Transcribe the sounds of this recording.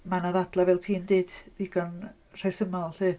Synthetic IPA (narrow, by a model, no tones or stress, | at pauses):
manaðadlˠavɛlˠtʰiːndeːd̥ðiɡ̥an | r̥ajsəmɔlˠɬɨː